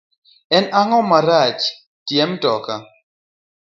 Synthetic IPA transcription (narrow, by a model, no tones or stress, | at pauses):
ɛnaŋɔmaɾat͡ʃ | tjɛmtɔka